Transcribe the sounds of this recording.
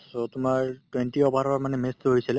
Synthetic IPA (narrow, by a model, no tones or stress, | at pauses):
sotʊmaɹtwenʈiɔbʱaɾɔbaɹmanɛmestɦojsilɛ